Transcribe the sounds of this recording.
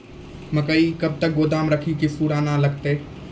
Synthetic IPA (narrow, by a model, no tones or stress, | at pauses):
mɐkəikɐb̚t̪ɐk̚ɡoːd̪aːmɾɐkʰikifuɽaːnalɐɡt̪eː